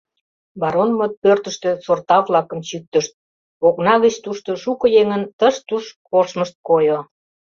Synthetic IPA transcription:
bɑɾonmot̪̚pørt̪əʃt̪ø̆sort̪ɑvlɑkə̆mt͡ɕyk̚t̪əʃt̪̚ | oknɑɣət͡ɕt̪uʃt̪oʃukɤ̆jeŋənt̪əʃt̪uʃ | oʃməʃt̪̚kojo

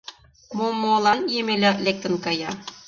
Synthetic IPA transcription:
momolˠɑnjemelʲælek̚t̪ɘ̆nkɑjɑ

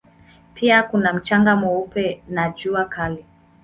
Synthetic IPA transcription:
piakunam̩t͡ʃaŋɡamɔupɛnad͡ʒuakalɛ

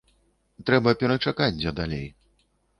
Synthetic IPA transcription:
t̪ɾɛbɐpʲɛɾɐt͡ʂakad͡zʲd̪ʲɐd̪alʲḛj

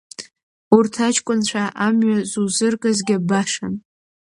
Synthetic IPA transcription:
urtʰat͡ʃʰkʷʼʊnt͡ɕʷʰaʔamɥazuzɨrkʼazɡʲɪbaʂa̰n

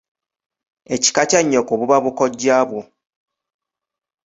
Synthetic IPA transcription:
e̞ci̥kacaɲːokoβuβaβukoɟːaːβwo

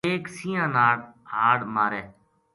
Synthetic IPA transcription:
eːksiːãːnaːɽhaːɽmaːɾeː

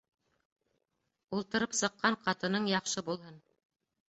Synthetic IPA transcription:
ulˠt̪ɤ̆ɾɤpsɤ̆qːɑɴqɑt̪ɤ̆nɤɴjɑχʃɤbulˠɦɤn

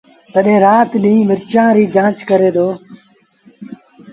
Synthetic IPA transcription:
t̪əɗẽːɾaːt̪ɗĩːmɪɾt͡ʃãːɾiːd͡ʒãːt͡ʃkəɾeːd̪oː

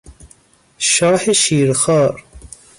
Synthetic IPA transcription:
ʃɑːħeʃiːɾxɑːɾ

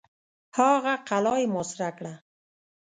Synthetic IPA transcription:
hɑɣaqalɑjmosɾakɽa

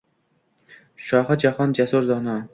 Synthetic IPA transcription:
ʃɒχad͡ʒahɒnd͡ʒasuɾzɒnɒ

